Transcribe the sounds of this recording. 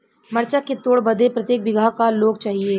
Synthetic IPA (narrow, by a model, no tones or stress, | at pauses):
mɐɾt͡ʃaket̪oːɽbɐd̪ʱepɾɐt̪jeːk̚bɪɡʱakaloːɡ̚t͡ʃaːɦie